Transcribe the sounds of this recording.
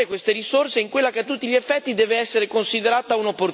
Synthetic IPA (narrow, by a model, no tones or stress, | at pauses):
ekwest̪eɾissorseiŋkwelːakeat̪ːut̪ːiʎiefːɛt̪ːid̪ɛːveɛsːeɾekonsid̪eɾaːt̪aunopːor